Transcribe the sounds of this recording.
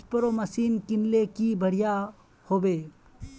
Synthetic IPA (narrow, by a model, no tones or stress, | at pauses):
pəɾoːmɐsiːnkɪnlekibʱɐɽija | hoːbeː